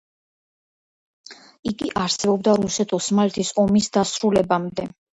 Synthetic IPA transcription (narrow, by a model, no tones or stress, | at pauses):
iɡiʔaɾsɛbɔb̚d̪aɾusɛt̪ʰɔsmalɛt̪ʰisɔmisd̪asɾulɛbamd̪ɛ